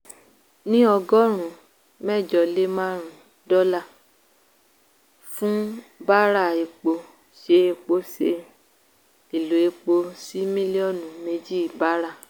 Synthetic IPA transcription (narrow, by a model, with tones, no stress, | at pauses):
nĩ˦ɔ˧ɡɔ˦ɾ̃ũ˨ | mɛ˦˨d͡ʒɔ˧˨le˦mã˦ɾ̃ũ˨ | dɔ˦la˦˨ | fũ˦ba˦ɾa˦˨e˨k͡po˧ | ʃe˦e˧k͡po˧˦se˧ | i˨lu˨e˧k͡po˧si˦mĩ˦li˦ɔ˦˨nũ˨˦me˧d͡ʒi˦˨ba˦ɾa˦˨